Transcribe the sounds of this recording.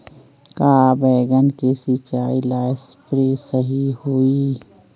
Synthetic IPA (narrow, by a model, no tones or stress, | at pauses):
kaːbɛːɡənkesit͡ʃaːilaːspɾeːsəɦihoːi